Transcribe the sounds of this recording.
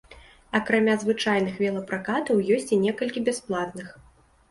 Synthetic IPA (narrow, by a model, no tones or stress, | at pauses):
ɐkɾamʲazvɨt͡ʂajn̪ɨxvʲɛlˠɐpɾakat̪ɐwjɔsʲt͡sʲinʲɛkɐlʲkʲibʲasplˠat̪nɨx